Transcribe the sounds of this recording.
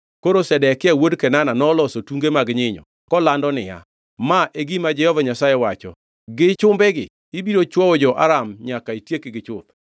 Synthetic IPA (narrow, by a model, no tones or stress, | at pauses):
koɾosɛdɛkɪawodkɛnananɔlɔsotuŋɡemaɡɲɪɲɔ̰ | kɔlandɔnɪja̰ | maʔeɡimad͡ʒɛhɔvaɲasajɛwat͡ʃɔ̰ | ɡɪt͡ʃʊmbɛɡɪː | biɾot͡ʃwɔwɔd͡ʒɔʔa̰ɾamɲakaitjekɪɡɪt͡ʃʊt̪̚